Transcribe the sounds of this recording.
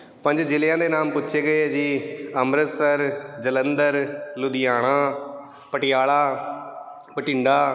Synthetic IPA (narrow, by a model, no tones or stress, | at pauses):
pə̃ɲd͡ʒd͡ʒɪlɪjãːd̪eːnaːmpʊtːʃʰeːɡəeːd͡ʒiːəmɾət̪səɾd͡ʒələnd̪əɾlʊd̪ɪjaːɽ̃ãː | pəʈɪjaːlaː | pəʈɪ̃ɳɖaː